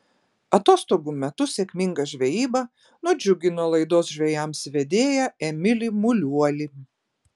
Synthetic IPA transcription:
ɐt̪oːst̪oːɡumʲɛt̪ʊsʲɛkʲmʲɪŋɡɐʒʲʋʲɛjiːbɐ | nʊd͡ʒʲʊɡʲɪnoɔlˠɐɪd̪oːsʒʲʋʲɛjɛmsʋʲɛd̪ʲeːjɛɛmʲɪlʲɪmʊlʲuɔlʲɪ

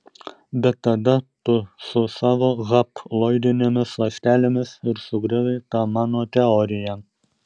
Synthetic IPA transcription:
bʲɛt̪ːɐd̪ɐt̪ʊsʊsɑːʋoːɣɐplˠoːɪd̪ʲɪnʲemʲɪslˠɐʃʲt̪ʲæːlʲɪmʲɪsɪɾsʊɡɾʲɪlɐɪt̪ɑːmɑːnoːt̪ʲɛɔɾʲɪjɛ

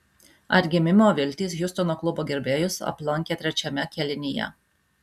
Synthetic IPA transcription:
ɐɾʲɡʲɪmʲɪmʲoːʋʲɪlʲt̪ʲiːsjʊst̪ɔnoːklˠʊboːɡʲɛɾʲbʲeːjʊsɐ̰plˠɐŋʲkʲeːt̪ʲɾʲɛt͡ʃʲɛmʲɛkʲɛlʲɪnʲijɛ̰

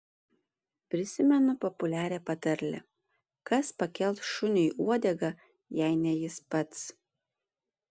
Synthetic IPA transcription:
pʲɾʲɪsʲɪmʲɛnʊpɔpʊlʲæːɾʲɛpɐt̪ɐɾʲlʲɛ̰ | kɐspɐkʲɛlˠt̪ʃʊnʲʊiːʔuɔd̪ʲɛɡɐ | jɛɪnʲɛjɪspɐt̪s

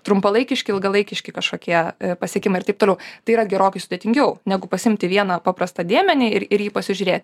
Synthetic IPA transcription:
t̪ɾʊmpɐlˠɐɪkʲɪʃʲkʲɪɪlˠɡɐlˠɐɪkʲɪʃʲkʲɪkɐʃkoːkʲiɛpɐsʲiɛkʲɪmɐɪrtɐɪp̚t̪oːlɛʊt̪ɐɪiːɾɐɡʲɛɾoːkɐɪsʊd̪ʲeːt̪ʲɪŋʲɡʲɛʊnʲæɡʊpɐsɪɪmʲt̪ʲɪʋʲiɛnɐpɑːpɾɐst̪ɐd̪ʲeːmʲɛnʲɪɪɾɪɾjiːpɐsʲɪʒʲʊɾʲeːt̪ʲɪ

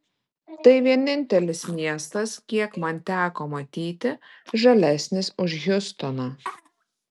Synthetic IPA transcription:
t̪ɐɪʋʲiɛnʲɪnʲt̪ʲɛlʲɪsmʲiɛst̪ɐskʲiɛkmɐnt̪ʲæːkoːmɐt̪ʲiːt̪ʲɪʒɐlʲɛsʲnʲɪsʊʃjʲʊst̪ɔnɑː

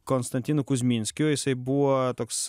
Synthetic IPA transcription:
konst̪ɐnʲt̪ʲinʊkʊzʲmʲinʲsʲkʲjʊjɪsɐɪbuot̪oːks

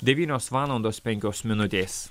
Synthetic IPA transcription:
d̪ʲɛʋʲiːnʲoːsʋɑːlˠɐnd̪oːspʲɛŋʲkʲoːsmʲɪnʊt̪ʲeːs

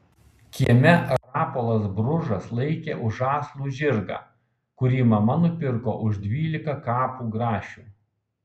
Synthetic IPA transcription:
kʲiɛmʲɛɾɑːpoːlˠɐs̬bɾʊʒɐslˠɐɪkʲeːʔʊʒɑːslˠuːʒʲɪɾɡɑ̰ː | kʊɾʲiːmɐmɐnʊpʲɪɾko̰ːʔʊʒd̪ʲʋʲiːlʲɪkɐkɑːpuːɡɾɑːʃʲuː

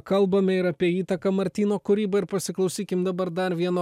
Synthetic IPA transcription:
kɐlˠbɐmʲɛɪɾɐpʲiɛiːt̪ɐkɐmɐɾʲt̪ʲiːnoːkʊɾʲiːbɐɪɾpɐsʲɪklˠɐɒʊsʲiːkʲɪmd̪ɐbɐɾd̪ɐɾʋʲiɛnoː

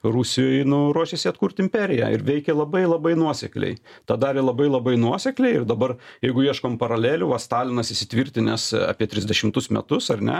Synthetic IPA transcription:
rusʲɪjoːjnʊɾuɔʃʲesʲɪɐt̪kuːɾʲt̪ʲɪmʲpʲɛɾʲɪjæ̰ɪ̰ɾʋʲɛɪkʲɛlˠɐbɐɪlˠɐbɐɪnuɔsʲɛklʲɛ̰ɪt̪ɑd̪ɑːɾʲɪlˠɐbɐɪlˠɐbɐɪnuɔsʲɛklʲɛɪɪrd̪ɐbɐrjɛɪɡʊiɛʃkoːmpɐɾɐlʲæːlʲuːʋɐst̪ɑːlʲɪnɐsɪsʲɪ̥t̪ʲʋʲiɾʲt̪ʲɪnʲɛsɑ̰ːpʲiɛt̪ʲɾʲɪzʲd̪ʲɛʃʲɪmt̪ʊsmʲɛ̰t̪ʊsɐrnʲɛ̰

